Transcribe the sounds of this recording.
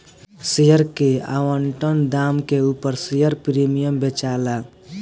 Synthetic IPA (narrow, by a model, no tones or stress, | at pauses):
sijəɾkea̰wəɳʈənd̪amkeupəɾsijəɾpɾimijəmbet͡ʃala